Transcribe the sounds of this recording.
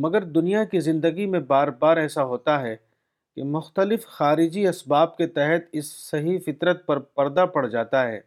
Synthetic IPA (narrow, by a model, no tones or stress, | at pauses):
mɐɡəɾd̪ʊnijakizɪ̃nd̪əɡimẽbaːɾbaːɾɛːsaɦoːt̪aɦɛ | kḛmʊxt̪əlɪfxaːɾɪd͡ʒiɐsbaːb̚ket̪ɛɦɛt̪ɪsːɐɦifɪt̪ɾət̪̚pɐɾpɐɾd̪apɐɽd͡ʒaːt̪aɦɛ̰ː